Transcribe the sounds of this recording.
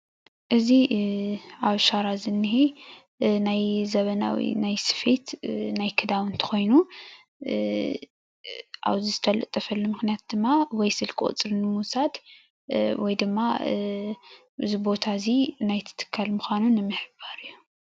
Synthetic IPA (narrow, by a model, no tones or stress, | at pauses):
ʔɨzi | aβʃaɾazɨnːɨhe | najzɐβɐna̰wḭnajsɨ̥fet̪najkʰɨd̪aβɨnt̪ʰɐ̥xo̞jnu | ʔa̰βzizɨt̪ʰɐlɨ̰t̪ʼːɐfɐlːumɨxnijat̪̚d̪ɨmːawɔjsɨlkʰʼɨ̰χʼt͡sʼɨɾɨnɨmusad̪ | wɔjd̪ɨmːa | ɨzibo̞t̪ʰazinajt̪ʰɨ̥t̪ʰɨ̥kʰːalmuxʷanunːɨmːɨħɨbaɾɨjːu